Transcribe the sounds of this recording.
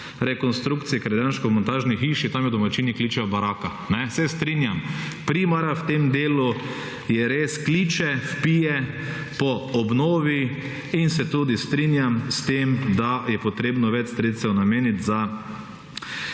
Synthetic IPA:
ɾɛkɔnst̪ɾukt̪sijɛkɾad̪jaːnʃkɔmɔnt̪aːʒnixiːʃit̪amjɛd̪ɔmat͡ʃiːnikliːt͡ʃɛbaɾaːka | nɛsɛst̪ɾinjam | pɾimaɾawt̪emd̪eːlu | jɛɾeskliːt͡ʃɛfpiːjɛ | pɔɔbnoːʋi | insɛt̪ud̪ist̪ɾinjamst̪emd̪ajɛpɔt̪ɾeːbnɔʋɛt͡ʃst̪ɾet̪st̪ɛwnameːnit̪za

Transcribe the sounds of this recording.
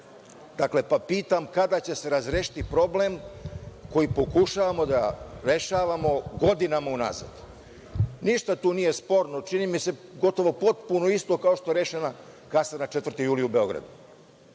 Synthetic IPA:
d̪akle̞papiːt̪amkad̪at͡ɕe̞se̞ɾazɾeʃi̥t̪ipɾo̞ble̞m | ko̞jipo̞kuʃaːʋamo̞d̪aɾe̞ʃaːʋamo̞ɡo̞d̪inamauna̰za̰d̪ | niʃt̪at̪uːnije̞spo̞ːɾnot͡ʃinimise̞ɡo̞t̪o̞ʋo̞po̞t̪puno̞ist̪o̞kao̞ʃt̪o̞eɾeʃenakasanat͡ʃet̪ʋvɾrt̪ijuːliube̞o̞ɡɾa̰d̪u

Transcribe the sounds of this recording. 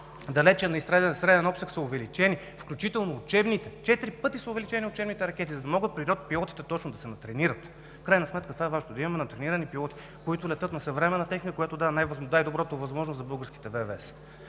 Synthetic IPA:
d̪ɐlɛt͡ʃɛnɐist̪ɾaɛst̪ɾɛlɛnɔpsəksɐʊvɛlit͡ʃɛni | fklʲut͡ʃit̪ɛlˠnoːt͡ʃɛbnit̪ɛt͡ʃɛt̪iɾipɤt̪isɐʊvɛlit͡ʃɛniʊt͡ʃɛbnit̪ɛɾɐkʲɛt̪izɐd̪ɐmɔɡət̪̚pɾiɾɔt̪̚pilˠɔt̪i̥t̪ɛt̪ɔt͡ʃnod̪ɐsɛnɐt̪ɾɛniɾət̪ | fkɾajnɐsmɛt̪kət̪vaɛvaʒnoʊd̪ɐimɐmɛnɐt̪ɾɛniɾɐnipilˠɔt̪i̥ | koit̪ʊlɛt̪ɤt̪nɐsɐvɾɛmɛnːɐt̪ɛxnikəkʊjat̪od̪avɛnajvɐzd̪aɛd̪obɾɔt̪ovɐzmɔʒnoszɐbɤlˠɡəɾskʲi̥t̪ɛvɛvɛs

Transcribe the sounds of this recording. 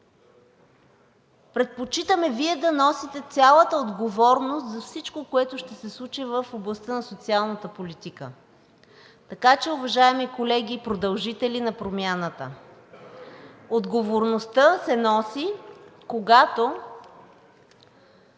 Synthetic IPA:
pɾɛt̪̚pot͡ʃit̪əmɛviɛd̪ɐnɔsit̪ɛt̪sʲalˠət̪əod̪ɡovɔɾnost̪zɐfsit͡ʃkokoɛt̪ʊʃt̪ɛsɛslˠut͡ʃivəfoblˠɐst̪ənɐsot̪sialˠnət̪əpolit̪ikə | t̪ɐkat͡ʃɛʊvɐʒaɛmikolɛɡiːpɾod̪ɐlˠʒit̪ɛlinɐpɾomʲjanət̪ə̰ | od̪ɡovoɾnost̪əsɛnɔsikoɡat̪o

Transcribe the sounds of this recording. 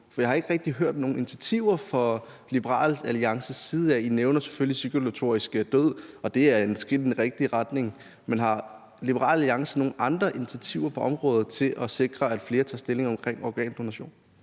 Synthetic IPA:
fɒjɑ̈hɑ̈e̝ɡ̥əʁɛɡ̥̚d̥iɦøɐ̰d̥no̝ːn̩ini̥t͡sʰæt͡sʰiʊ̰ɐfɒ̽ | lib̥əʁɑ̰̈ːlæliɑ̈ŋsəsiːð̩ˠæ̰ineʊnɐse̥føllisyɡ̥əlot͡sʰo̝̰ːisɡ̥əd̥øð̰ˠɒ̽d̥e̝æɐe̝nsɡ̥en̩ʁɛɡ̥̚d̥iʁɑd̥ne̝ŋ | menɦɑ̈ | lib̥əʁɑ̰̈ːlæliɑ̈ŋsəno̝ːn̩ʔɑ̈nd̥ʁɐʔinit͡sʰæt͡sʰiʊɐpʰɒ̽ʔɒ̽mʁɔ̽ːð̩ˠt͡sʰe̝lʔɒ̽se̝ɡ̥ʁɐæd̥fle̝ːɐt͡sʰɑ̈ːsd̥e̝le̝ŋɒ̽mkʰʁeŋ̰ɒɡ̥ɛ̰ːnd̥o̝næɕo̝̰ːn

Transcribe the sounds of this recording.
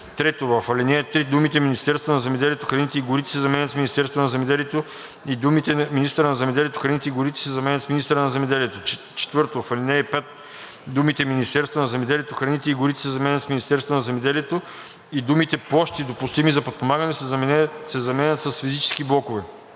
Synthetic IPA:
t̪ɾɛt̪ovɐfɐlinɛːt̪ɾid̪umit̪ɛminist̪ɛɾst̪vonɐzɛmɛd̪ɛlʲiɛt̪oxɾɐnit̪ɛiɡʊɾit̪ɛ̥sɛzɐmɛnʲɐt̪sminist̪ɛɾst̪vonɐzɛmɛd̪ɛliɛt̪o | id̪umit̪ɛminist̪əɾənɐzɛmɛd̪ɛliɛt̪oxɾɐnit̪ɛiɡʊɾit̪ɛ̥sɛzɐmɛnʲɐt̪sminist̪ɾənɐzɛmɛd̪ɛliɛt̪o | t͡ʃɛ̥t̪vɤɾt̪ovɐfɐlʲinɛːpɛt̪̚ | d̪umit̪ɛminist̪ɛɾst̪vonɐzɛmɛd̪ɛliɛt̪oxɾɐnit̪ɛiɡʊɾit̪ɛ̥sɛzɐmɛnʲɐt̪smʲinist̪ɛɾst̪vonɐzɛmɛd̪ɛlijɛt̪o | id̪umit̪ɛplˠɔʃt̪id̪opʊst̪imizɐpot̪̚pomaɡɐnɛ | sɛzɐmɛnʲət̪sɐsfizit͡ʃɛ̥skiblˠɔkovɛ

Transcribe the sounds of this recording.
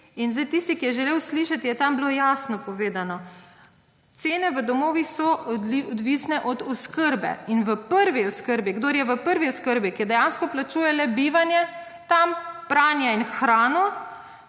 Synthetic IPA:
inzajt̪ist̪ikijɛʒɛleːwsliːʃat̪ijɛt̪ambloːjaːsnɔpɔʋeːd̪anɔ | t̪seːnɛʋəd̪ɔmoːʋixsɔɔd̪ʋisnɛʔɔd̪ɔskəɾbɛ̰inʋəpəɾʋiɔskəɾbiɡd̪oːɾjɛʋəpəɾʋiɔskəɾbikid̪ɛjaːnskɔplat͡ʃuːjɛlɛbiːʋanjɛ | t̪ampɾaːnjainxɾaːnɔ

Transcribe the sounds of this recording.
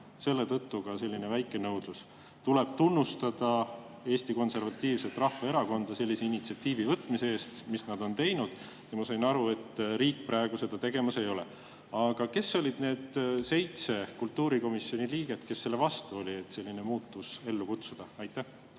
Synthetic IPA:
se̞lːe̞t̪ɤt̪ːukɑse̞lʲːine̞væjkːˑe̞nɤwd̪̥lus | t̪ule̞b̥̚t̪unːust̪ɑd̪̥ɑ | e̞ːst̪iko̞nse̞ɾvɑt̪ːˑiːvse̞t̪ːˑrɑhvɑe̞ɾɑko̞nd̪̥ɑse̞lʲːise̞init̪siɑt̪ːiːvivɤt̪ːˑmise̞eːst̪misnɑd̪̥o̞nt̪e̞jnud̪̥ | jɑmɑsɑjnɑɾue̞t̪ɾiːk̚ːpɾɑeɡ̥use̞d̪̥ɑt̪e̞ɡ̥e̞mɑse̞jo̞lḛ | ɑɡ̥ɑke̞sːo̞lʲid̪̥ne̞ːd̪̥se̞jt̪se̞kult̪ːˑuːɾiko̞misjo̞niliːɡ̥e̞t̪ke̞sːe̞lːe̞vɑst̪uo̞lʲie̞t̪se̞lʲːine̞muːt̪ːuse̞lːukut̪sud̪̥ɑɑjt̪ːˑæh

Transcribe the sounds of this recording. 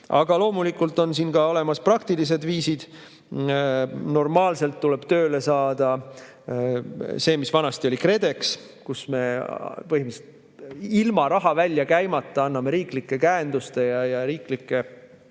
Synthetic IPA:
ʔɑ̰ɡ̥ɑlo̞ːmulikːˑult̪ːˑo̞nsiːnkɑo̞le̞mɑsprɑkt̪ilis̬e̞d̪viːsid̪̥ | no̞rmɑːlse̞lt̪ːuleb̥t̪ø̞ːle̞sɑːd̪̥ɑ | se̞ːmisvɑnɑst̪io̞likre̞d̪e̞ks | kusme̞pɤhimiset̪ | ilmɑɾɑɦɑvælʲːjɑkæjmɑt̪ˑːɑɑnːɑme̞ɾiːklikːe̞kæend̪̥ust̪e̞jɑjɑɾiːklikːˑe̞

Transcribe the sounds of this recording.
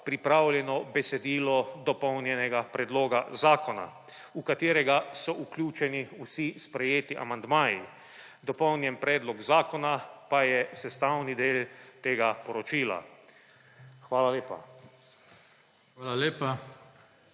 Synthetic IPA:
pɾipɾaːwlʲjɛnɔbɛsɛd̪iːlɔd̪ɔpɔwnjɛnɛɡapɾɛd̪loːɡazaːkɔna̰ | ukat̪eːɾɛɡasɔʔuklʲjuːt͡ʃɛniusispɾɛjeːt̪iʔa̰mand̪maːji | d̪ɔpɔwnjɛnpɾɛːd̪lɔɡzaːkɔnapajɛsɛst̪awnid̪eːlt̪eːɡapɔɾɔt͡ʃiːla̰ | xʋaːlaleːpa̰ | aːlaleːpa

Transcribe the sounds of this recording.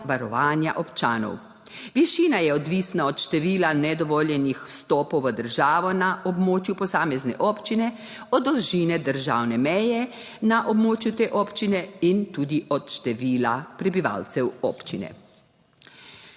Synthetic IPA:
ʋaɾɔʋaːnja̰ʔɔpt͡ʃa̰ːnɔ̰w | ʋiʃiːnajɛɔd̪ʋisnaɔt̪ʃt̪ɛʋiːlanɛd̪ɔʋoːljɛnixst̪ɔːpɔwʋəd̪əɾʒaːʋɔnaʔɔbmoːt͡ʃjupɔsaːmɛznɛ̰ʔoːpt͡ʃinɛ | ɔd̪ɔlʒinɛd̪əɾʒa̰ːwnɛmɛjɛ | naʔɔbmoːt͡ʃjut̪eːʔoːpt͡ʃinɛint̪uːd̪iʔɔt̪ʃt̪ɛʋiːlapɾɛbiʋa̰lt̪sɛwɔːpt͡ʃinɛ̰

